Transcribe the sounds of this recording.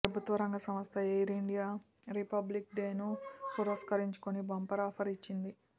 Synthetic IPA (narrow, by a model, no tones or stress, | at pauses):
pɾɐbʱut̪ʋɐɾɐŋɡɐsɐmɐst̪ʰɐejɾiɳɖijaː | ɾipɐblik̚ɖeːnupuɾɐskɐɾiɲt͡ʃu̥konibɐmpɐɾaːpʰɐɾit͡ʃːind̪i